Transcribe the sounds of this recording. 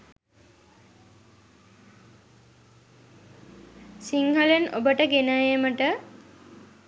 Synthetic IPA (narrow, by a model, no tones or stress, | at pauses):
siŋhəleno̰bəʈəɡenəeməʈə